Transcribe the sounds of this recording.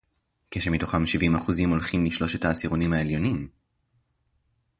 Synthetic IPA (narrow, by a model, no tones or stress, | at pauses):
keʃemito̞χamʃivimaχuzimo̞lχimliʃlo̞ʃe̞taːsiʁonimhaeljo̞nim